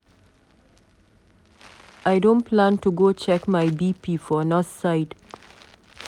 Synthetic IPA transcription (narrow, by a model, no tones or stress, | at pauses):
aɪdõnpʰlãntuɡot͡ʃɛkmaɪbipifɔnɔθsaɪd̥